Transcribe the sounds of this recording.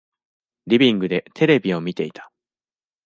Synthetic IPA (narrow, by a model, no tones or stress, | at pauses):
ɾʲibʲĩŋɡɯ̟d̪e̞t̪ʰe̞ɾe̞bʲio̞mʲit̪e̞it̪ḁ